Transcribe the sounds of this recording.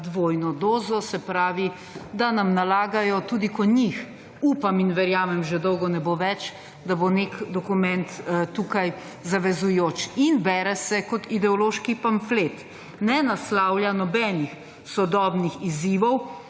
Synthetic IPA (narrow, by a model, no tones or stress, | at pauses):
d̪ʋoːjnɔd̪oːzɔsɛpɾaːʋi | d̪anamnalaːɡajɔt̪uːd̪ikɔɲix | uːpaminʋɛɾjaːmɛmʒɛd̪ɔwɡɔnɛboʋɛt͡ʃ | d̪abonekd̪ɔkumɛnt̪t̪ːukaj | zaʋɛzujoːt͡ʃinbɛɾɛsɛkɔt̪id̪ɛɔloːʃkipaɱflet̪ | nɛnaslawljanɔbɛːnix | sɔd̪ɔːbnixiziːʋɔw